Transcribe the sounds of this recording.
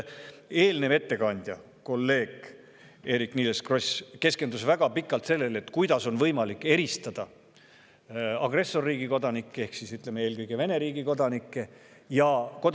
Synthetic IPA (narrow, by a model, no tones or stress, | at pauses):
e̞ːlneve̞t̪ːe̞kɑnʲd̪̥ʲjɑ | ko̞lːe̞ːɡ | e̞ːɾikniːleskro̞ske̞ske̞nd̪usvæɡ̥ɑpikːˑɑlt̪se̞lːe̞let̪ːˑkujd̪̥ɑso̞nvɤjmɑlikːˑe̞ɾist̪ɑd̪̥ɑ | ɑɡre̞sːo̞rːiːɡ̥iko̞d̪ɑnikːee̞hksisyt̪ˑlemee̞ːlkɤjɡ̥e̞ve̞ne̞ɾiːɡiko̞d̪ɑnikːˑe̞ | jɑko̞d̪